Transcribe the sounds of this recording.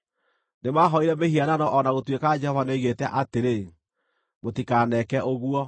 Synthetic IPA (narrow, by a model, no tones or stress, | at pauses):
nemaːɦɔiɾɛmehiananɔʔɔnaɣotwekad͡ʒɛhɔvaneiɣetɛʔateɾe | motikanɛkɛʔoɣuɔ